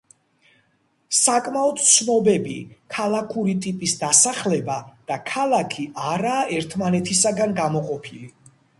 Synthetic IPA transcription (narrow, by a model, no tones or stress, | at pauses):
sakʼmaɔd̪sʰnɔbɛbḭkʰalˠakʰuɾit̪ʼipʼisd̪asaχlɛbad̪̥akʰalˠakʰiʔaɾaːʔɛɾt̪ʰmanɛt̪ʰisaɡanɡamɔqʼɔpʰili